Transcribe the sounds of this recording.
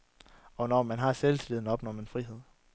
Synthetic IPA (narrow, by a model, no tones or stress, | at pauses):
ɒ̽nɒmænɦɑ̈selsʰile̝ðˠn̩ɒ̽b̥nɒme̝nfʁiɦe̝ð̞̰ˠ